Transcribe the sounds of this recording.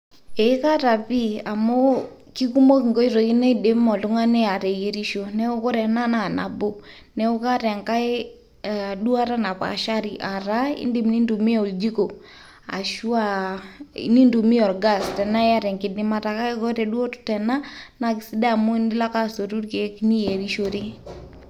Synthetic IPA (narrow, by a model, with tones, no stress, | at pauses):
ɛ˨i˦ka˦ta˨pi˦a˨mo˦ | ki˦ku˦mo˦ki˨ŋɡo˦i˦ɾo˨ki˦nɛ˦de˨˦mɔ˨tu˦ŋa˦nɛ˦a˨tɛ˨ji˦ɾi˦ʃo˦nɛ˦ʊ˦kɔ˦ɾɛ˨na˦na˨na̰˨bo˦ | nɛ˦ʊ˦ka˦tɛ˨ŋka˦j | du˦a˦ɾa˦na˨pa̰˨ʃa˦ɾi˨ʔa˨ɾa˦ḭ˦ndɪ˦m˨ni˦ndu˨mi˦a˨u˨ld͡ʒi˦ko˨ | a̰˨ʃu˦a˦˨ | ḭ˨ni˦ndu˨mi˦ɔ˨ɾɡa˦˨stɛ˨na˦ja˦ɾɛ˨ŋkɪ˨dɪ˦ma˦ta˨ka˦kɔ˦tɛ˨du˦o˦tʊ̥˦tɛ˨na˦na˨kɪ˨si˦da˦˨mʊ˦ndɪ˦la˦ka˦so˨tu˦rke˨ki˦ni˦je˨ɾi˦ʃo˦ɾi˦